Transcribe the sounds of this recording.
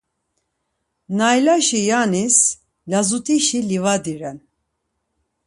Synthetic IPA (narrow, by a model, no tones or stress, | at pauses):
najlaʃijanis | lazut̪ʰʼiʃilivad̪iɾɛn